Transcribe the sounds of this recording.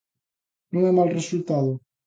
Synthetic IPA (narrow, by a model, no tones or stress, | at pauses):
nũŋɛmalresult̪aðo